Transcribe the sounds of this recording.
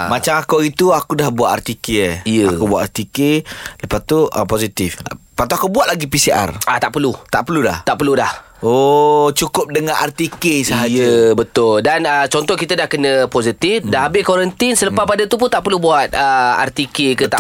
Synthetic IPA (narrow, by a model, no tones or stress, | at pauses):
mat͡ʃamakoit̪uakudahbuat̪a̰rt̪ikeeijəakubuat̪art̪ikeləpat̪uəposit̪ifpat̪uakubuat̪̚laɡipisiʔa̰rat̪aʔpərlut̪aʔpəluda̰h̪aʔpəludah | ot͡ʃukʊp̚dəŋanart̪ikesəɦajbət̪ʊldanət͡ʃɔnt̪ɔkit̪ədahkənə̃posit̪ɪfdaɦabɪkoɾənt̪ɪnsələpapadat̪up̬ʊnt̪aʔpərlubuat̪̚əa̰rt̪ikekət̪aʔ